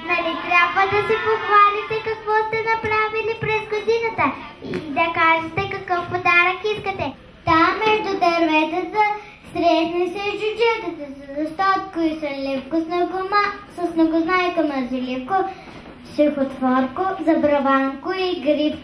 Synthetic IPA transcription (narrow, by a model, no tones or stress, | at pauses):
nɐlit̪ɾʲjabvəd̪ɐsipoxvalit̪ɛkɐkvɔst̪ɛnɐpɾavilipɾɛzɡod̪inɐt̪ə | id̪ɐkaʒɛt̪ɛkɐkəfpod̪aɾəkiskɐt̪ɛ | t̪amɛʒd̪od̪ɐɾvɛt̪ɛzɐ | sɾɛsnisɛʒd͡ʒʊd͡ʒɛt̪ɐt̪ɛszɐʃt̪ɔt̪koisɛlʲifkosnɐɡomasɐsnɐɡʊznajk̪omɐzilipko | sixot̪vɔɾkozɐbɾɐvaŋkʊiɡɾip